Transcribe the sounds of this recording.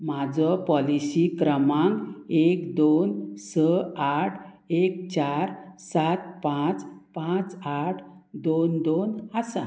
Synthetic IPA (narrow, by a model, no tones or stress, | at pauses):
mad͡zɔpɔlisikɾəmãŋɡekd̪onsəaʈʰ | ekt͡ɕaɾsat̪̚pãt͡spãt͡saʈʰd̪ond̪onəsa